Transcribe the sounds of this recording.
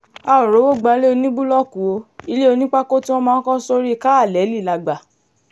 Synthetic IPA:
a˧˨o˨ɾo˨˦wo˦˨ɡ͡ba˧˦le˦o˧˦nĩ˦bu˦lɔ˦˨kũ˨o˧i˧le˦o˧nĩ˦k͡pa˦ko˦tĩ˦ɔ˦mãː˦˧˦kɔ̃˦so˦ɾi˦˧˦ka˦a˦˨lɛ˨˦li˦˨la˧ɡ͡ba˨

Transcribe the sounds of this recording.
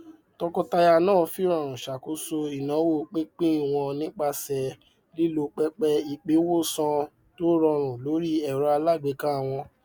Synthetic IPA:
tɔ˧kɔ˧ta˧ja˧nãː˦˨˧fi˦ɾ̃ɔ̃˦˨ɾ̃ũ˨ʃa˨ko˨˦so˧i˨nã˨˦wo˦˨k͡pĩ˦k͡pĩ˦˨w̃ɔ̃˧nĩ˦k͡pa˦sɛ˧ | li˦lo˧˦k͡pɛ˦k͡pɛ˦i˨k͡pe˨˦wo˦sɔ̃˧ | to˦ɾɔ̃˧ɾ̃ũ˨lo˨˦ɾi˦ɛ˦˨ɾɔ˨˧˦a˧la˦˨ɡ͡be˨˦kã˦˨w̃ɔ̃˧

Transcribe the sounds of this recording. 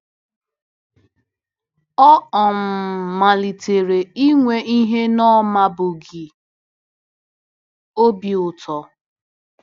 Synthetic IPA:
ɔ˦ɔ˨m̩˨ma˨li˨te˨ɾe˨i˦ŋʷe˦ʔi˦ɦe˦nɔ˦ma˦bʊ˨ɡɪ˨ | o˦bi˨ʊ˨tʰɔ˨

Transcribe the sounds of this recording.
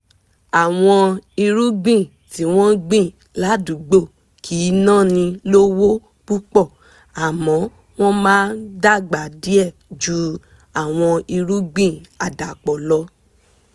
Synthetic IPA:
a˨w̃ɔ̃˧i˧ɾu˦ɡ͡bĩ˦˨ | ti˨˦w̃ɔ̃˦ɡ͡bĩ˦˨ | la˨˦du˨˦ɡ͡bo˦˨ | kʰi˨˦nã˦˨nĩ˧lo˦wo˦ | k͡pu˦k͡pɔ˦˨ | a˨mɔ̃˨˦ | w̃ɔ̃˦mãː˦n˦da˦ɡ͡ba˨di˦ɛ˦˨d͡ʒu˦ | a˨w̃ɔ̃˧i˧ɾu˦ɡ͡bĩ˦˨a˨da˨k͡pɔ˨lɔ˧

